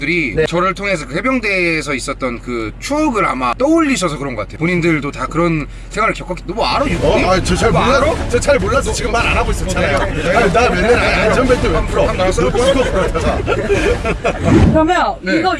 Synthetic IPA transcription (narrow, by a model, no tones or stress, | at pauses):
dɯɾit͡ɕʌɾɯɭtʰoŋe̞s̬ʰʌkɯhe̞bjʌŋde̞ːsʰʌis͈ʌt̚t͈ʌnkɯt͡ɕʰuʌɡɯɾa̰mat͈ʌuʎːiɕʰʌs̬ʰʌkɯɾʌnɡʌk͈atʰeopoɲindɯɭdotakɯɾʌn | sʰeŋwaɾɯɭkjʌk͈ʰak͈nʌmuaɾʌjuat͡ɕɯt͡ɕʰaɾoaɾot͡ɕet͡ɕʰaɾmoɭːas̬ʰʌt͡ɕiɡɯmːananaɡois͈ʌt͡ɕʰanajoeaɯnamenːeaad͡ʑʌŋbet͈ʰɯampʰɯɾʌamas͈pkʰopʰɯɾʌtʰad͡ʑa | ɯʌmneiɡʌ